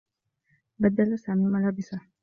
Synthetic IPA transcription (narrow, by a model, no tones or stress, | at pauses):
bad̪alasaːmimalabisa